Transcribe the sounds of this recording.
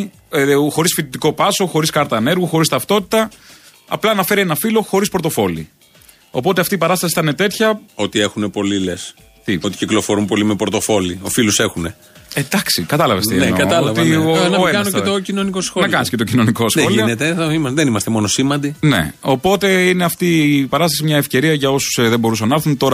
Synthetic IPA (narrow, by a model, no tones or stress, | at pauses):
xo̞ɾisfit̪it̪iko̞pɐso̞xo̞ɾiskɐɾt̪ɐːne̞ɾɣuxo̞ɾist̪ɐft̪o̞t̪i̥t̪ɐ | ɐ̰plɐnɐfe̞ɾienɐfilo̞xo̞ɾispoɾot̪o̞fo̞lḭ | o̞po̞t̪e̞ɐft̪iːpɐɾɐst̪ɐsi̥θɐne̞t̪e̞t̪çɐo̞t̪ie̞xunepo̞liles | t̪iot̪i̥ciklo̞fo̞ɾumpo̞limepoɾt̪o̞fo̞liofiluse̞xune̞ | ed̪ɐksikɐt̪ɐlɐvesinenkɐɐlɐvionɐeɐnoeocinonikosxonɐkɐniscet̪o̞cino̞nikoslionet̪eimɐðenimɐst̪emo̞nosimɐnd̪ine̞̰o̞po̞t̪e̞ine̞ɐft̪ipɐɾɐst̪ɐsimɲɐefce̞ɾiɐʝɐo̞su̥sðembo̞ɾus̬ɐnːɐɐɾθunt̪o̞ɾɐ